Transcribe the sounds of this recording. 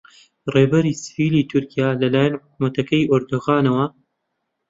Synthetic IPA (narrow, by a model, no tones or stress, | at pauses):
reːbɐɾisɨ̥viːliːt̪ʰʊɾkijaːlɐlaːjɐnħʊkmɐt̪ɐkɐjʔoɾd̪oɣaːnɐwɐ